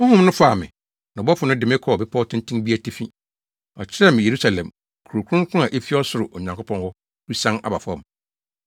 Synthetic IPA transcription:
mʊ̃˦hʊ̃˦mnʊ̃˦fa˨mɪ̰̃˨ | nã˨bɔ˦fʊ˨nʊ̃˦dɪ˨mɪ̃˦kʰɔ˦˨bɪ˦pʰɔ˦tʰɪ̃˦ntʰĩ˦nbi˦a˦tʰi˦fĩ˦ | ɔ˨t͡ɕʰɪ˦ɾɛ˦˨mɪ̃˨je˨ɾu˦sa˨lɛ̃˨m | kʰu˨ɾo˨kʰʊ̃˦ŋ˦kʰʊ̃˦a˨ʔe˦fi˦ɔ˦sʊ˨ɾʊ˨ʔɔ˨ɲã˨ŋkʰʊ˦pʰɔ̃˦nhɔ˦ | ɾu˦sã˦na̰˨ba˨fɔ̰̃˦m

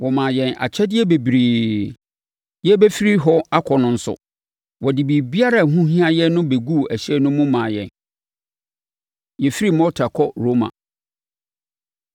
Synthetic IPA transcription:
wɔ˨mã˨jɛ̃˨na̰˨t͡ɕʰɛ˦dɪ˦ɛ˦be˨bɾeː˨ | jɛ˦bɛ˦fi˦ɾi˦ɦɔ˦a˦kʰɔ˨nʊ̃˦n̩˦sʊ̰˨ | wɔ˨di˨bi˨bi˦a˦ɾa˦˨ɦũ˦ɦĩ˦a˦jɛ˦nʊ̃˦be˨ɡu˦˨æ˨ɕɛ˦nʊ̃˦mːʊ̃˦mãː˨jɛ̰̃˨n | jɛ˨fi˦ɾi˦mɔ̃˦tʰa˨kʰɔ˦ɾo˦mã̰˨

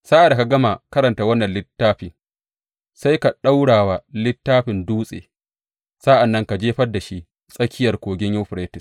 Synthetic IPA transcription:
saː˦ʔa˨da˨ka˨ɡɐ˦ma˨kɐ˦ɾɐ˨nta˨wɐ˦nːɐ˨nlɪ˦tːaː˦ɸɪ˨ŋ | sa˦jka˨ɗa˦wɽaː˨wa˨lɪ˦tːaː˦ɸɪ˨nduː˦sʼḛː˨ | sa˦ʔa˨nːɐ˦ŋka˨d͡ʒeː˦ɸɐ˦da˨ʃi˦ | sʼɐ˦kʲʰɪ˦jɐ˨rkʷoː˨ɡʲɪ˦ɲju˦wɸɾeː˦tɪ˨s

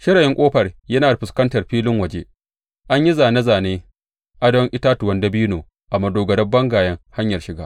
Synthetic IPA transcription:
ʃɪ˦ɾɐ˨jɪ˦ŋkʷʼoː˦ɸɐ˨rjɐ˦naː˨da˨ɸɪ˨skɐ˦ntɐ˨rɸiː˦lɪ˦ŋwɐ˨d͡ʒe˦ | ʔa˦ɲji˦zaː˨na˦zaː˨neː˦ | ʔa˦dɔ˦ŋʔɪ˦taː˦tʊ˨wɐ˦ndɐ˦biː˦noː˨ | ʔa˨mɐ˨doː˨ɡɐ˨dɐ˦bːɐ˦ŋɡaː˨jɐ˦ŋha˦ɲjɐ˨rʃɪ˨ɡaː˦

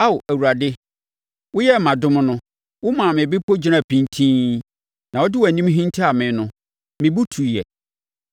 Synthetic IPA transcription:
a˦wʔæ˨wu˨ɾa˨dɪ˦ | wʊ˦jɛ˦˨mã˨dʊ̃˦m̃˦nʊ̃˦ | wʊ˦mã˨mɪ̃˨bɪ˦pʰo˦d͡ʑi˦ã˨pʰĩ˨ntʰĩ˦ | nã˨wɔ˦dɪ˦wɔ˨æ˨nĩ˦mɦĩ˦ntʰi˦a˨mɪ̃˨nʊ̃˦ | mɪ̃˨bu˦tʰu˨jɛ˨

